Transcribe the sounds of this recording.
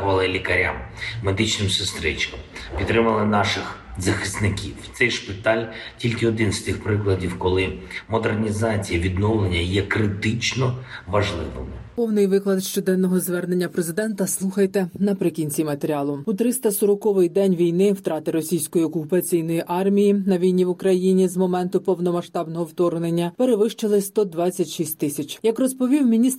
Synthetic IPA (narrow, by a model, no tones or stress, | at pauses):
ʋɐlˠɪlʲikɐɾʲa̰mːed̪ɪt͡ʃnɪmsɪst̪ɾɪt͡ʃkɐmpʲid̪ːɾɪmɐlˠɪnɑʃɪx | zɐxɪsnɪkʲḭwt̪sɛjʃpʲɪt̪ɑlʲtʲilʲkɪɔd̪ɪnst̪ɪxpɾɪklˠɐdʲiwkɔlˠɪmɔd̪ernʲizɑt͡sʲijɐʋʲid̪nɔwlˠenʲːɐjɛkɾɪt̪ɪt͡ʃnɔʋɐʒlˠɪʋɪ̰mpɔwnɪjʋɪklˠɐd̪ʃt͡ʃɔd̪ɛnːɔɦɔzʋɛrnenʲːɐpɾe̞zɪd̪ɛnt̪ɐslˠuxɐjt̪enɐpɾɪkʲinʲt͡sʲimɐt̪eɾʲɑlˠʊut̪ɾɪst̪ɐsɔɾɔkɔʋɪjd̪ɛnʲʋʲijnɪwt̪ɾɑt̪ɪɾɔsʲijsʲkɔjiɔkʊpɐt͡sʲijnɔjiʔɑrmʲijinɐʋʲijnʲiʋʊkɾɐjinʲizmɔmɛnt̪ʊpɔwnɔmɐʃt̪ɑbnɔɦɔwt̪ɔrnenʲːɐpe̞ɾeʋɪʃt͡ʃelˠɪst̪ɔd̪ʋɑt͡sʲːɐtʲʃisʲtʲt̪ɪsʲɐt͡ʃjɐkrɔspɔʋʲiwmʲinʲist̪